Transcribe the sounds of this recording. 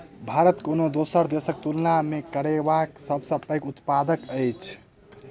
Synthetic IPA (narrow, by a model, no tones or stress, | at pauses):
bʱaɾət̪konod̪osəɾd̪esək̚t̪ulnamekəɾebaksəbsəbpəjkut̪pad̪əkəjt͡ʃʰ